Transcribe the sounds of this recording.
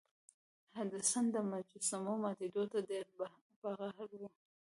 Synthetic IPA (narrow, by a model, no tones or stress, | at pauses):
had̪asand̪əmad͡ʒusamomɑt̪id̪ot̪ad̪eɾba | baɣaɦaɾwu